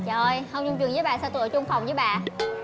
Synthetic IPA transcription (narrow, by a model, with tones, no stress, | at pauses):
t͡ɕə˧˨˧jhə˧wŋ͡mt͡ɕʊ˧ŋ͡mt͡ɕwnzəː˨˦jɓaː˧˨˩saː˧˩t̪ɨ̰˧˨jt͡ɕʊ˧ŋ͡mfa˨˩wŋ͡mzə˨˦jɓa̰ː˧˨